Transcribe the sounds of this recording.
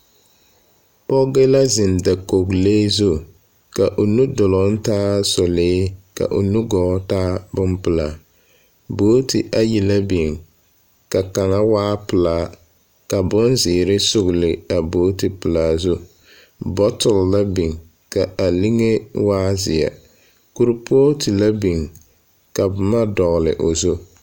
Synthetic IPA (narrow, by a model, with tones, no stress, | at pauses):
pɔ˦ɡe˦la˦zɪ˨nda˨ko˨kleː˦zʊ˦ | ka˨ʔo˨nu˦dʊ˨lɔ˨˦n̩˦taː˦sɔ˨leː˦ka̰˨ʔo̰˨nu˦ɡɔː˨˦taː˦bʊ˦npʊ˨la˨ | boː˦tɪ˨ʔa˦ji˨la˦bi˨ŋ | ka˨ka˨ŋa˦waː˦pʊ˨laː˨˦ | ka˨bʊ˦nzɪː˨ɾɪ˦sʊ˦˨ɣlɪ˨a˨boː˦ti˨pɨ˨laː˨zu˦ | bɔ˦tʊ˨lla˦bi˨ŋ | ka˨a˨li˦ŋe˦waː˦zɪ̰˨ja̰˨ | ku˦ɾpʊ˦ɔ˦ti˨la˦bi˨ŋ | ka˨bʊ˨ma˦dɔ˨ɣlɪ̰˨ʔo˨zu˦